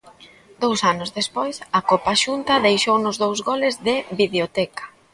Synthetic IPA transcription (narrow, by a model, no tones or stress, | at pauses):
d̪owsanʊzðespojsɐkopaʃunt̪ɐðejʃownʊzðowzɣolɪzðɪβiβeot̪ɛkɐ̥